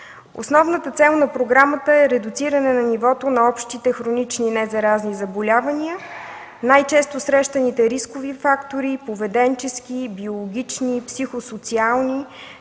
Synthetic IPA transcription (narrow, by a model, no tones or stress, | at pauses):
o̰snɔvnət̪ət̪sɛlˠnɐpɾoɡɾamət̪əɛɾɛd̪ʊt̪siɾənɛnɐnivɔt̪onɐɔpʃt̪it̪ɛxɾonit͡ʃninɛzɐɾaznizɐbolʲavəniə | najt͡ʃɛst̪osɾɛʃt̪ənit̪ɛɾiskʊvifakt̪oɾipovɛd̪ɛnt͡ʃɛskibiolˠoɡʲit͡ʃnipsixosot̪sialˠni